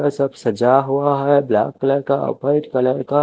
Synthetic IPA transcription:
asəbsəd͡ʒaɦuaɦɛbla̰ːkːləɾkaə̰pəɪʈkələɾka

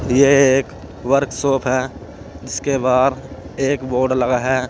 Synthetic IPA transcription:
jeeːk | ʋəɾksoːpʰɦɛː | d͡ʒɪskebaːd̪eːkboːɖlɐɡaɦɛː

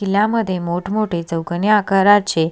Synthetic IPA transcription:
kilãməd̪ʱjemoʈʰmoʈʰet͡səwkənjəakaɾat͡ɕʰe

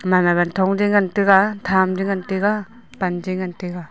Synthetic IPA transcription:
mamabantʰɔŋdiŋantɯɡatʰamdiŋantɯɡa | pand͡ʒiŋantɯɡa

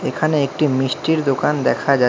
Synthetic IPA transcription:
ekʰaneek̚ʈimisʈiɾd̪okand̪ɛkʰad͡ʑa

